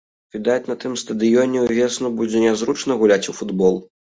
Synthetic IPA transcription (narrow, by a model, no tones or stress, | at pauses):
vʲid̪at͡sʲnɐt̪ɨmst̪ɐd̪ɨjɔnʲɛuvʲɛsnubud͡zʲɛnʲazɾut͡ʂnɐɣulʲat͡sʲufud̪bɔlˠ